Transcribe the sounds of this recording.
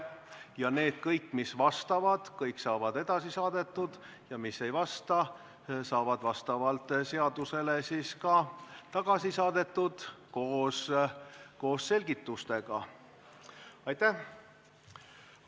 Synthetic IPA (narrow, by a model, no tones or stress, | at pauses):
jɑne̞ːd̪̥̚kɤjkːˑmisvɑst̪ɑvɑd̪̥kɤjksɑːvɑd̪̥e̞d̪ɑsisɑːd̪̥e̞t̪ːˑud̪̥ | jɑmisːe̞jvɑst̪ɑ | sɑːvɑd̪̥vɑst̪ɑvɑlt̪ˑse̞ɑd̪use̞lesiskɑt̪ɑɡ̥ɑsisɑːd̪e̞t̪ːˑud̪̥ko̞ːs | ko̞ːsse̞lʲɡ̥it̪ːˑust̪e̞ɡ̥ɑ | ɑjt̪æh